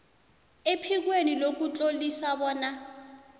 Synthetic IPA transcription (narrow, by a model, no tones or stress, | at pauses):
epʰik̬wenilok̬ut͡ɬʼolisaɓɔːna